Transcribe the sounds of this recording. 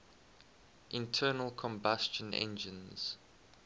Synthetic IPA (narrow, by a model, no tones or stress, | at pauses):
ʔɪ̃ntʰɜːnəlˠkʰɔ̃mbast͡ʃə̃nʔɛ̰̃nd͡ʒə̃nz̥